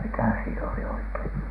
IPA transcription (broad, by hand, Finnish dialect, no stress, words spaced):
mikæ siːn oli oikein